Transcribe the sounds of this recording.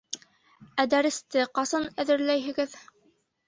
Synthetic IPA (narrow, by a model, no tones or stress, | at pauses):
æd̪æɾɘ̆st̪ɘqɑsɤnæðɘ̆ɾlæjɦɘ̆ɡɘð